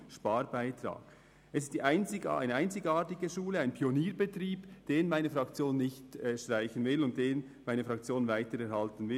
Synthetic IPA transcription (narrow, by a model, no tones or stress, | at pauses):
ʃpɑːɾbaɪtɾa̰ːɡ̥ | ʔɛsɪstd̥iːʔaɪnt͡sɪ̰a̰ɪnəʔaɪnt͡sɪɡaːtɪɡəʃuːləaɪnpʰioniːɾbətriːb̥d̥eːnmaɪnəfrɑkt͡sjoːnːɪçtɛʃtʁ̥aɪçənvɪlʊnt̚d̥eːn | maɪnəfʁɑk̚t͡sjoːnvaɪtəɾɛɾhɑltənvɪ